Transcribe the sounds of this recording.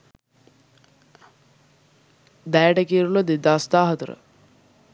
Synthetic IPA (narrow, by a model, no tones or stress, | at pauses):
d̪ɛːʈəkiːɾulod̪ed̪aːst̪aːɦɐt̪əɾə̰